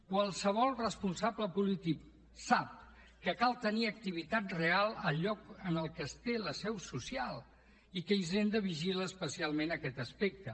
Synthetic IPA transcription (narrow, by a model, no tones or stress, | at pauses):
kwalˠsəβ̞ɔlˠrəspunsabləpulit̪ik | sap̚ | kəkalˠt̪əniək̚t̪iβit̪at̪realˠəʎɔkənəlˠkəst̪eləsɛwsusialˠ | ikəizend̪əβiʒiləːspəsialˠmenəkɛt̪əspek̚t̪ə